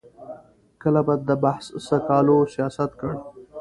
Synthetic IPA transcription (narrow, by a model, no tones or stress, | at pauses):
kəlabɑd̪̚d̪əbahssəkɑlosijɑsat̪kəɽ